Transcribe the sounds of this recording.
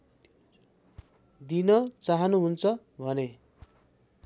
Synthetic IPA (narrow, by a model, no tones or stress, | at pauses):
d̪inʌt͡saɦʌnuɦunt͡sʰʌ | bʱʌne